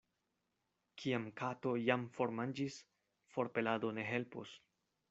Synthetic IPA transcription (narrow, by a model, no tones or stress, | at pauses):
kʰiamkʰato̞jamfo̞ɾmand͡ʒis | fo̞ɾpe̞lado̞ne̞ɦe̞lpo̰s